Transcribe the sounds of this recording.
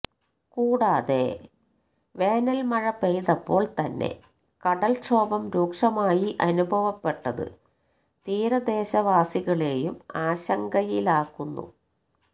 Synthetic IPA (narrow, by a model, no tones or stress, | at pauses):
kuːɽaːðe | ʋe̞ːnɐlmɐɻɐpːejðɐpːo̞ːɭt̪ɐnːe̞̰ | kɐɽɐlʂʰo̞ːbɐmɾuːkʂɐmaːjiʔɐnubʱɐʋɐpːe̞ʈːɐðɨ̰ | t̪iːɾɐd̪e̞ːɕɐʋaːsiɣɐɭe̞ːjumaːɕɐŋɡɐjilaːkːunːṵ